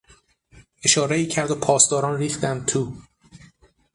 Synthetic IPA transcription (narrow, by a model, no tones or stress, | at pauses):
ʔe̞ʃɒːɾeiːcʰæɾd̪opʰɒːsd̪ɒːɾɒːnriːxt̪æm̚t̪ʰuː